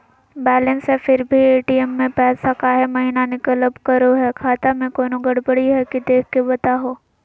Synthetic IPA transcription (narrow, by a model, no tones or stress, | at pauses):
bɛːlənsefɪɾbʱieːʈiɛmːẽpɛːsakaɦɛmɐɦinanɪkələbkɐɾoɦɛkʰaːt̪amẽkoːnoɡəɽbɐɽiɦɛkid̪eːkʰkːebɐt̪aɦoː